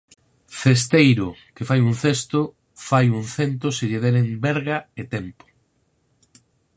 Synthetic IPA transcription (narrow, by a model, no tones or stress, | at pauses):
θest̪ejɾʊkefajunθest̪ʊ | fajuŋθent̪̬oseʎeðɛɾembɛɾɣaet̪ɛmpʊ̥